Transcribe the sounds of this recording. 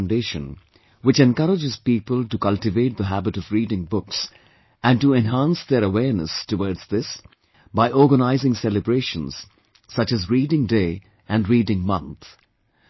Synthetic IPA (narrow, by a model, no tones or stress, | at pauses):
ndeɪʃə̰̃n | wɪt͡ʃɛ̃nkʌɾəd͡ʒɨz̥piːpəlˠʈukʌlʈɨveɪt̪̚d̪əɦæbɨɾʌvɹiːɾɪ̃ŋbʊks | æ̃nʈuɛ̃nɦæ̃nsðeɾəwɛɹnə̰stəwɔːɹdz̥ðɪs | baɪʔɔɾɡənaɪzɪ̃ŋsɛlɨbɾeɪʃə̃nz̥ | sʌt͡ʃɨzɹiːdɪ̃ŋdeɪ | ʔæ̃nɹiːdɪ̃ŋmʌ̰̃nθ